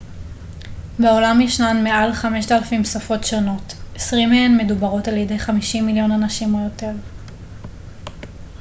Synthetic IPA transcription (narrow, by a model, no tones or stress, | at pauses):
beo̞lamjeʃnanmeʔalχame̞ʃtalafimsafo̞tʃono̞te̥sʁimeenme̞dubaʁo̞taljede̞jχamiʃimːiljo̞nanaʃimejo̞te̞ʁ